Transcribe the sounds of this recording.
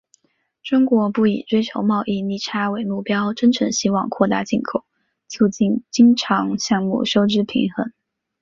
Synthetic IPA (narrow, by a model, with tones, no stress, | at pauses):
ʈ͡ʂʊ˥ŋkwɔ˧˥pu˥˩ḭ˨˩ʈ͡ʂwe˥ɪt͡ɕʰjo˧˥ʊmɑ˥˧ʊʔi˥˩ni˥˩ʈ͡ʂʰa˥we˨˩ɪmu˥˩pjɑ˥ʊʈ͡ʂə˥nʈ͡ʂʰɤ˧˥ŋɕi˥wɑ˥˧ŋkʰwɔ˥˩t̪a̰˥˧t͡ɕi˥˩nkʰo˨˩˦ʊ | t͡ɕʰjo˥t͡ɕi˥˩nt͡ɕi˥ŋʈ͡ʂʰɑ˧˥ŋɕjɑ˥˧ŋmṵ˥˩ʂo˥ʊʈ͡ʂɻ̩˥pʰḭ˧˥ŋxə˧˥n